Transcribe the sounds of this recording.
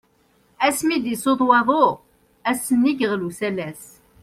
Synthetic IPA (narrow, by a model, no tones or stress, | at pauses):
æsmid̪isoðˤwɑðˤoʁ | æsːənːiɡəʁlusælæs